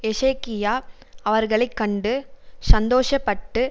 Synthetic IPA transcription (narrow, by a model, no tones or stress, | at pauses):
ɛʂɐːkɪjaː | ɐʋɐɾɣɐɭɐɪkːɐɳɖɯsɐnd̪oːʂɐpːɐʈːɯ